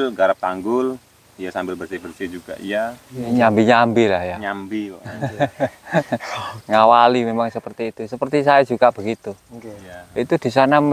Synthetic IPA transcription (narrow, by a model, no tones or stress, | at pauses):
lɡaɾap̚t̪aŋɡʊl | ijasambɪlbərsɪhbərsɪhd͡ʒuɡ̥a̰ʔijaɲambiɲambilahjaɲambi | ŋawalimemaŋsəpərt̪iːt̪usəpərt̪is̬ajad͡ʒuɡab̥ə̤ɡit̪ujait̪ud̥i̤sana